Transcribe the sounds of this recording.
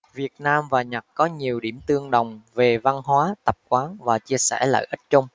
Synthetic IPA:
vi˨˩ət̚naː˧mvaː˨˩ɲa˨˩k̚kɔ˨˦ɲi˨˩əwɗi˧˩əmt̪ɨ˧əŋɗə˨˩wŋ͡mve˨˩va˧nɦwaː˨˦t̪ə˨˩p̚kwaː˨˦nvaː˨˩t͡ɕi˧əsɛ̰˧˩lə̰ː˧˨ʔi˦˥t̚t͡ɕə˧wŋ͡m

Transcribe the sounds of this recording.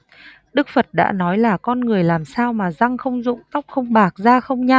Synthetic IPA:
ɗɨ˦˥k̚fə˨˩t̚ɗa̰ː˧˥nɔ˨˦jlaː˨˩kɔ˧nŋɨ˨˩əjlaː˨˩msaː˧wmaː˨˩za˧ŋxə˧wŋ͡mzʊ̰˧˨ŋ͡mt̪a˦˥k͡p̚xə˧wŋ͡mɓaː˨˩k̚zaː˧xə˧wŋ͡mɲa˧

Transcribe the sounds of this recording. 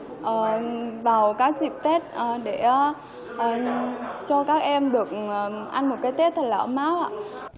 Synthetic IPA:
ʔəː˨˩vaː˨˩wkaː˨˥k̚zi˨˩p̚t̪e˦˥t̚ʔə˨˩ɗe˧˩ | ʔə˨˩t͡ɕɔ˧kaː˦˥k̚ʔɛ˧mɗɨ˨˩ək̚ːʔa˧nmo˨˩t̚kaː˧˨˦jt̪e˦˥t̚t̪ʰə˨˩t̚laː˨˧˩ə˧˦maː˨˦˧

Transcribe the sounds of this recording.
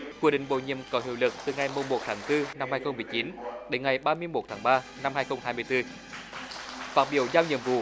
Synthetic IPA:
kwi˧˩əɗḭ̈˧˨˩ŋ̟ɓo̰˧˨ɲḭ˧˨əmkɔ˨˦ɦḭ˧˨wlɨ˨˩k̚t̪ɨ˨˩ŋa˨˩jmu˨˩mmo˨˩t̚t̪ʰaː˨˦ŋt̪ɨ˧na˧mhaː˧jxə˧wŋ͡mmɨ˨˩əjt͡ɕi˨˦nɗe˨˦nŋa˨˩jɓaː˧mɨ˧əjmo˨˩t̚t̪ʰaː˨˦ŋɓaː˧ | na˧mhaː˧jxə˧wŋ͡mhaː˧jmɨ˧əjt̪ɨ˧ | faː˨˥t̚ɓi˧˨əwzaː˧wɲḭ˧˨əmvṵ˧˨

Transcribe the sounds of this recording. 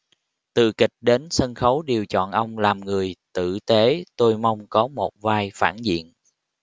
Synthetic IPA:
t̪ɨ̰˧˨kï˨˩k̟̚ɗe˨˦nsə˧nxə˨˦wɗi˨˩əwt͡ɕɔ̰˧˨nʔə˧wŋ͡mlaː˨˩mŋɨ˨˩əjt̪ɨ̰˧˨t̪e˨˦t̪o˧jma˧wŋ͡mkɔ˨˦mo˨˩t̚vaː˧jfaː˧˩nzḭ˧˨ən

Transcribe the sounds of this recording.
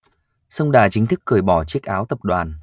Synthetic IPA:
sə˧wŋ͡mɗaː˨˩t͡ɕï˨˦ŋ̟t̪ɨ˦˥kːɨ˨˩əjɓɔ˧˩t͡ɕi˦˥ək̚ʔaː˨˦wt̪ə˨˩p̚ɗwaː˨˩n

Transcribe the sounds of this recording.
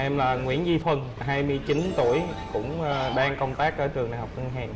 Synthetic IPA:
ʔɛ˧mlaː˨˩ŋwḭ˧˥ənzi˧fʰwə˧˩n | ɦaː˧jmɨ˧əjt͡ɕi˨˦nt̪ṵ˧˩əjkʊ̰˧˥ŋ͡mɗaː˧ŋkə˧wŋ͡mt̪aː˦˥k̚t̪əː˧˩jt͡ɕɨ˨˩əŋɗa̰ː˨˩ŋhɔ˨˩ə˧ŋɦɛ̰ː˨˩n

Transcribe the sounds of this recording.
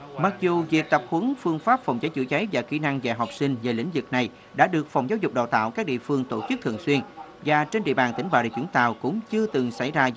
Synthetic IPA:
ma˨˩k̚zu˨˩vi˨˩ək̚t̪ə˨˩p̚hɨ˨˦ŋfɨ˧əŋfaː˦˥p̚fɔ˨˩wŋ͡mza˨˦jt͡ɕɨ̰˧˥t͡ɕə˨˦jvaː˨˩xi˧˦na˧ŋva̰ː˧˩ɦɔ˨˩wp̚sï˧ŋ̟veː˨˩lḭ˧˥ŋ̟zɨ˨˩k̚na˨˩j | ɗa̰ː˧˥ɗɨ˨˩ək̚fa˨˩wŋ͡mzaː˨˦wzʊ˨˩k͡p̚ɗa̰ː˧˨wt̪a̰ː˧˨wkaː˦˥k̚ɗḭ˧˨əfɨ˧əŋt̪o˧˩t͡ɕɨ˦˥k̚t̪ʰəŋswi˧ən | vaː˨˩t͡ɕe˧nɗḭ˧˨əɓaː˨˩nt̪ï˧˩ŋ̟ɓa̰ː˧˨˩ɗḭ˧˨t͡ɕwi˧˥ət̪a̰ː˧˨wkʊ̰˧˥ŋ͡mt͡ɕɨ˧ət̪ɨ˨˩ŋsa˧˩jzaː˧

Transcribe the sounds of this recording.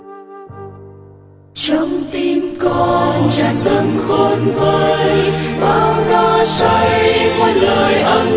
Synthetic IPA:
t͡ɕɔ˧wŋ͡mt̪i˧mkɔ˧˩nt͡ɕa˧˦ŋzə˧˩nxo˧˩nvəː˨˩jɓaː˨˩wnɔ˧˩sə˧jmwa˧˦nləː˨jʔə˧

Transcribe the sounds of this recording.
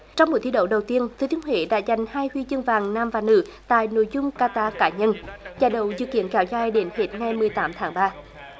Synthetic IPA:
t͡ɕɔ˧wŋ͡mmo˨˩t̪̚ʰi˧ɗə̰˧˩wɗə˨˩wt̪i˧ənt̪ʰɨ˨˦t̪i˧˦əŋhwḛ˧˨ɗa̰ː˧˥za˨˩jŋ̟haː˧jhwi˧zɨ˧ŋvaː˨˩ŋnaː˧mvaː˨˩nɨ̰˧˥t̪a̰ː˧˨jno̰˧˥˨jzʊ˧ŋ͡mkaː˧t̪aː˧kaː˨˦ɲə˧nzaː˧˩ɗə̰˧˨wzɨ̰˧˨kḭ˧˥ənkɛ˨˦wzaː˧˩jɗe˨˦nhe˨˦˥t̚ŋa˨˩jmɨ˨˩əjt̪aː˨˦mt̪ʰaː˨˦ŋɓaː˧

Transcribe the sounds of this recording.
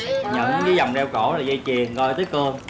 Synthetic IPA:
ɲə̰˧˩˨n˨˦i˨˦za˨˩wŋ͡mɗɛ˧wko˧˩˦laː˨˩ɣə˧jt͡ɕi˨˩ənkɔ˧jt̪ɨː˨˦kəː˧ŋ

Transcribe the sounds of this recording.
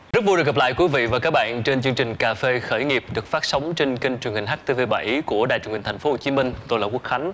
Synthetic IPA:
zɨ˦˥vu˧ɗɨ˨˩kːə˨˩pla̰ː˧˨jkwi˨˦vḭ˧˨vaː˨˩kaː˦˥k̚ɓa̰ː˧˨nt͡ɕe˧nt͡ɕɨ˧ŋt͡ɕï˨˩ŋ̟kaː˨˩fe˧xəː˧˩jŋi˨˩əp̚ɗɨ˨˩ək̚faː˦˥t̚sə˨˦wŋ͡mt͡ɕe˧nki˧ŋ̟t͡ɕwŋhï˨˩ŋ̟ɦaː˦˥k̚t̪e˧ve˧˩ɓa̰˧˩jʔku˧˩əɗa̰ː˧˨jt͡ɕu˧˩hï˨˩ŋ̟t̪ʰa˨˩ŋ̟fo˨˦ho˨˩t͡ɕi˨˦mï˧ŋ̟t̪o˧jlaː˨˩ku˦˥ək̚xa˨˦ŋ̟

